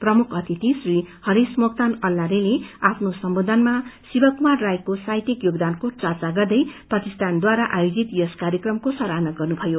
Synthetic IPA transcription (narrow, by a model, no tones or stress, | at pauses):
prʌmukʰʌt̪ʰit̪isrihʌɾismok̚t̪anʌlːaɾeleapʰnosʌmbod̪ʱʌnmasibʌkumarːajkosajt̪ikjoɡd̪ankot͡sʌrt͡saɡʌrd̪ʌjpʌkist̪ʰand̪waɾaʔajod͡zit̪joskaɾjʌkrʌmkosʌɾanʌɡʌrnubʱʌjo